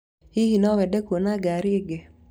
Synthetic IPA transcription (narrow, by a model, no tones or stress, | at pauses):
ihinɔwɛdɛkwonaɡaɾiɡɛ